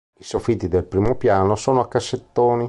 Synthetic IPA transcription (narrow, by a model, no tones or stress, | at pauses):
isofit̪ːid̪elpɾiːmopjaːnosoːnoakːasːet̪ːoːni